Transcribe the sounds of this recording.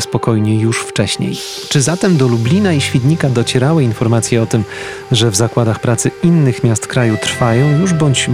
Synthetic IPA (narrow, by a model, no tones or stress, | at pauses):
spɔkɔjɲɛjuʂft͡ʂɛɕɲḛj | t͡ʂɘzat̪ɛmd̪ɔlublʲinaiɕfʲid̪ɲikad̪ɔt͡ɕɛɾawɘinfɔɾmat̪sʲjɛɔt̪ɘm | ʐɛvzakwad̪axpɾat̪sɘinːɘxmʲjast̪kɾajut̪ɾ̥fajɔ̃w̃juʐbɔɲt͡ɕ